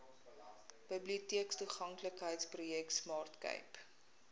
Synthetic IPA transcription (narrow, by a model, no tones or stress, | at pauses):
b̥əbliutiəkstuχɐŋkləkɦəjtsprujɛktsmɑːrtkə̰jp